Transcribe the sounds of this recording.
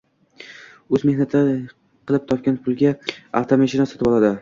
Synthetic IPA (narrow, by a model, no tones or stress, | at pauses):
ɵzme̞hnat̪ʰɪ | qʰɨlˠɪp̚t̪ʰɒp̚kʲanpʰʊlˠɡʲaa̰ft̪ʰomeʃɪnasɒt̪ɪbɒlˠad̪ɪ